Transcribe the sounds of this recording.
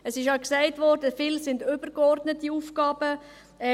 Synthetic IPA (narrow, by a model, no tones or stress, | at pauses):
əsɪʃɑksaɪtvɔɾdəfɪlsɪndʏb̥əɾɡɔrdnətːiuːfkɑːb̥ə | ɛ